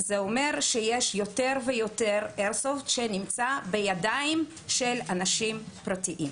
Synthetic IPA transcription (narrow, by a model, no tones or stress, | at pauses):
zeome̞ʁʃejeʃjo̞te̞ʁvejo̞te̞ʁeʁsoft̪ʃe̞nimt͡sabe̞jadaim | ʃelanaʃimpʁatiʔim